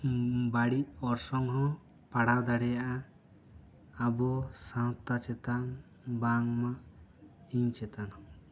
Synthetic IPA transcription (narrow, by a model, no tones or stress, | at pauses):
baɽiʔ̚ɔɾsɔŋɦɔ̃ | paɽad̪aɽɛjaʔa | abɔsãwt̪at͡ʃɛt̪an | baŋma | iɲt͡ʃɛt̪anhɔ̃